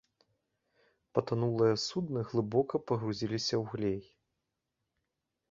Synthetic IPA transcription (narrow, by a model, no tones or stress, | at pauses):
pɐt̪anulˠɨjɐsud̪nɨɣlˠɨbɔkɐpɐɣɾuzʲilʲisʲɐwɣlʲej